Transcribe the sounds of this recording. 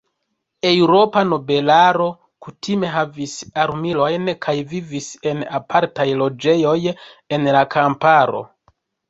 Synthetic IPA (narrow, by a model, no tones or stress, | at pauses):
e̞wɾo̞pano̞be̞laɾo̞ | kutʰime̞ɦavisaɾmilo̞jnkʰajvivise̞napʰaɾtajlo̞d͡ʒe̞jo̞je̞nlakʰampaɾo̞̰